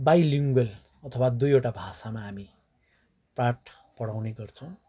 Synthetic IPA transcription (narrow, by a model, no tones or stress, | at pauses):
bajliŋɡel | ʌt̪ʰʌwad̪ujoʈabʱasamaɦːmi | praʈ | pʌɽawneɡʌrt͡sʰʌw̃